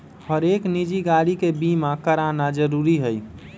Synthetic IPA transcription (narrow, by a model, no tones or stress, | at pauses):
həɾeknid͡ʒiɡaɽikebimãkəɾanad͡ʒəɾuːɾiɦəj